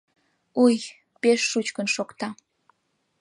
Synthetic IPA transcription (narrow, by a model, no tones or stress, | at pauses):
uj | peʃːut͡ɕkənʃokt̪ɑ